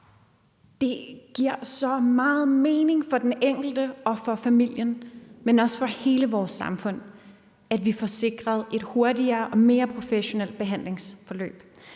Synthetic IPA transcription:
d̥e̝ɡ̥iɐ̰sɒ̽mɑ̈ːð̩ˠme̝ːne̝ŋfɒ̽d̥eneŋ̰ɡ̥l̩d̥əɒ̽fɒ̽fæmil̰jənmenɒ̽sfɒ̽he̝ːləʋɒːsːɑ̈mfɔ̽n̰ | æd̥ʋifɒse̝ɡ̥ʁɐð̞ˠe̝d̥ho̝ɐdiɐːʔɒ̽me̝ːɐpʰʁo̝feɕo̝nel̰d̥̚b̥e̝ɦæn̰le̝ŋsfɒ̽lø̰ːb̥

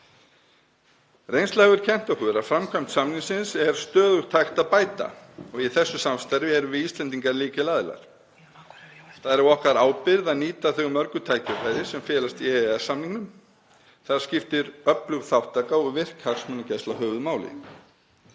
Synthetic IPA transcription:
rejnslaɛɣʏɾ̥cʰɛn̥t̪ahʏɾafɾamkʰœjm̥t̪samniŋsɪnsɛɾ̥st̪œːðʏht̪ʰajxt̪aðpaːjt̪a̰ɔɣiθɛsːʏsamst̪aɾvɪɛɾʏvɪðiːst̪lɛnt̪̬iŋkaɾliːcɪlaːðɪla̰ɾ̥ | θaðɛɾɛɔhkɾaɾaːwpɪɾðaðniːt̪aθʏɣʏmːœɾkʏt̪ʰaːjcafaːjɾɪsɛmfjɛːlast̪iɛɛsːamniŋnʏm | θaðɾ̥scɪft̪ɪɾœplʏɣθawht̪aːkaɔɣvɪr̥khaksmʏnacast̪aɦœːvʏðmaːwlɪ̰

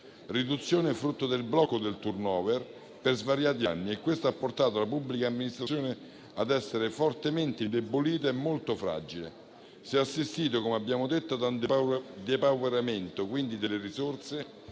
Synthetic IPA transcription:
rid̪ut̪sːjoːnefɾut̪ːod̪elblɔkːod̪elt̪urnɔːvɛr | perzvaɾjaːt̪̬ia̰nːiekːwest̪aapːort̪aːt̪̬oalapubːlikaːmːinist̪ɾasjoːne | ad̪ɛsːeɾefort̪ement̪eind̪eboliːt̪̬aemːolt̪ofɾa̰d͡ʒilḛ | siɛasːist̪iːt̪̬okomeabːjaːmod̪et̪ːad̪and̪d̪epawveɾament̪okwind̪id̪eleɾisort̪se

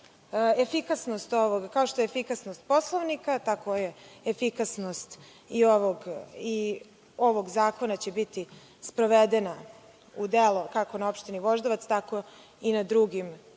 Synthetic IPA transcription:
efikasno̞st̪o̞ʋoɡkao̞ʃt̪o̞jeefikasnost̪̚po̞slˠoʋnikat̪ako̞jeefikasnost̪ | ioʋoɡi | o̞ʋo̞ɡzaːko̞nat͡ɕebit̪i | spɾo̞ʋed̪ena | ud̪elokako̞naopʃt̪iniʋo̞ʒd̪oʋat̪st̪ako̞ | inad̪ɾuɡim

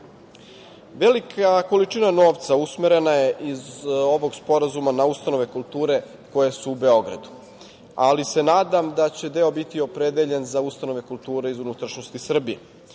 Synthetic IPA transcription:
ʋelikʰako̞lit͡ʂinano̞ːʋt̪sausmeɾe̞naje̞ʔizo̞ʋo̞ɡspo̞ɾazumanaust̪ano̞ʋe̞kulˠt̪uːɾe̞ | ko̞je̞suːbe̞o̞ɡɾa̰d̪u̥ | alisenaːd̪amd̪at͡ɕe̞d̪e̞o̞bit̪io̞pɾe̞d̪eʎe̞nzaust̪ano̞ʋe̞kulˠt̪uːɾeizunut̪ɾaʃnost̪isr̩bijḛ

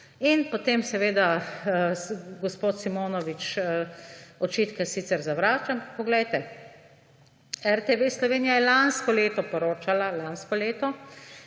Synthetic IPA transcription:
inpot̪eːmsɛʋeːd̪a | ɡɔspoːt̪simoːnɔʋit͡ʃ | ɔt͡ʃit̪kɛsiːt̪sɛɾzaʋɾaːt͡ʃampak̚pɔɡlɛjt̪ɛ | ɛɾt̪eʋeːslɔʋeːnijajɛlanskɔleːt̪ɔpɔɾoːt͡ʃalalanskɔleːt̪ɔ

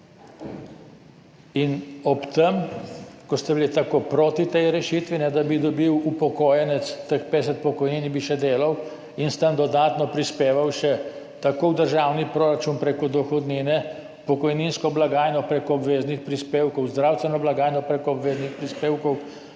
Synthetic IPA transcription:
inɔpt̪əmkɔst̪ɛbilit̪akoːpɾoːt̪it̪ɛjɾɛʃit̪ʋinɛd̪abid̪ɔbiwupɔkɔːjɛnɛt̪st̪əxpeds̬ɛt̪̚pɔkɔjniːnbiʃɛd̪eːlɐw | inst̪ənd̪ɔd̪aːt̪nɔpɾispeːʋawʃɛ | t̪akowd̪əɾʒawnipɾoːɾat͡ʃunpɾeːkɔd̪ɔxɔd̪niːnɛ | pɔkɔjninskɔblaɡaːjnɔpɾekɔːbʋeːznixpɾispeːwkɔwzd̪ɾaːwst̪ʋɛnɔblaɡaːjnɔpɾekɔːbʋeːznixpɾispeːwkɔw

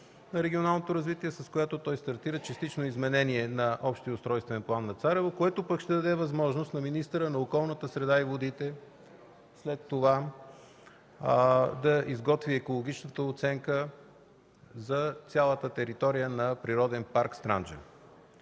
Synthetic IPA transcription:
nɐɾɛɡʲionalˠnot̪oɾɐzvit̪iɛsɐskojat̪ot̪ɔjst̪ɐɾt̪iɾət͡ʃɛst̪it͡ʃnoizmɛnɛniɛnɐʔɔpʃt̪iəost̪ɾɔjst̪vɛnplˠanːɐt̪saɾɛvokoɛt̪opəkʃt̪ɛd̪ɐd̪ɛvɐzmɔʒnost̪nɐminist̪əɾənɐokɔlˠnət̪əsɾɛd̪aivod̪it̪ɛ | slɛt̪ːova | d̪ɐʔizɡɔt̪viɛkolˠoɡ̟it͡ʃnət̪əot̪sɛŋkə | zɐt̪sʲjalˠət̪ət̪ɛɾit̪ɔɾijənɐpɾiɾɔd̪ɛnpaɾkst̪ɾa̰nd͡ʒə̰

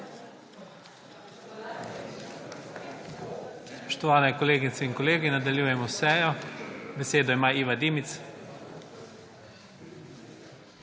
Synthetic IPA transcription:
spɔ̥ʃt̪ɔʋaːnɛkɔleːɡit̪sɛinkɔleːɡinad̪alʲjuːjɛmɔsɛːjɔbɛseːd̪ɔimaːiːʋad̪iːmit̪s

